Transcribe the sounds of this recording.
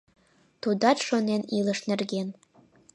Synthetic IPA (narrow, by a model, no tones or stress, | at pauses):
t̪ud̪ɑt͡ʃʃonenilə̆ʃnerɣen